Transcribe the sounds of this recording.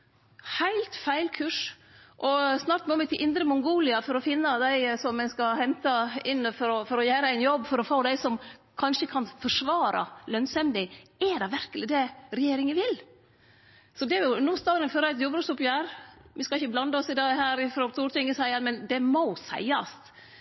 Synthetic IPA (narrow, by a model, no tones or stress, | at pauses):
hæɪlt̪fæɪlkʰʉʂ | ʔɔsnɑːɾʈ̪mɔmɛt̪ʰɪlʔɪnd̪ɾəmʊŋɡuːlɪɑfɔɾɔfɪnːɑd̪æɪsɔmːɛnskɑhɛnt̪ɑɪnːəfɔɾɔfɔɾɔjæːɾəæɪnjɔbːfɔɾɔfoːd̪æɪsɔmkʰɑnʂəkʰɑnfɔʂʋɑːɾɑ̰lœnsɛmd̪ɪɛd̪ɛʋæɾkəlɪd̪ɛɾɛjeːɾɪŋəʋɪl | sɔd̪ɛæɾjʊnuːst̪ɑːɾənføːɾæɪt̪juːbɾəsʊpjæːɾʋɪskɑɪçːəblɑnd̪ɑɔsɪd̪ɑːɡhæːɾɪfɾoːt̪ʰuːɾt̪ʰɪŋːəsæɪɑnmɛnd̪ɛmɔsæ̰ɪɑ̰st̪